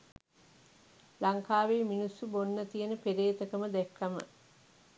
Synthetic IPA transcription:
laŋkaːʋeːminusːubonːɐt̪ijenəpeɾeːt̪əkəməd̪ɛkʰːɐmə̰

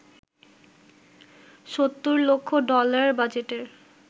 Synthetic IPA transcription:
ʃot̪ːuɾlokʰːoɖɔlaɾɾbad͡ʑeʈeɾ

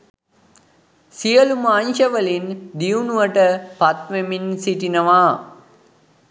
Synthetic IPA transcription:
sijɐlumaːnʃɐʋəlind̪iunuʋɐʈəpɐt̪ʋeminsiʈinɐʋaː

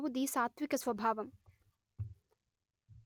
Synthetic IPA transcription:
ʋud̪iːsaːt̪ʋikɐsʋɐbʱaːʋɐm

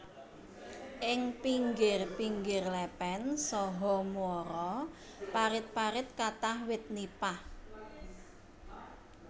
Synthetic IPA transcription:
ʔɪŋpiŋɡɪrpiŋɡɪrlɛpɛnsɔɦɔmuɔɾɔ | paɾɪt̪̚paɾɪt̪̚kat̪ahwɪt̪̚nipah

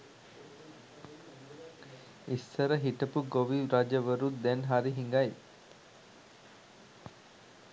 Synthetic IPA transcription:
isːəɾəɦiʈəpuɡoʋiɾad͡ʒəʋəɾud̪ɛnɦaɾiɦiŋɡaj

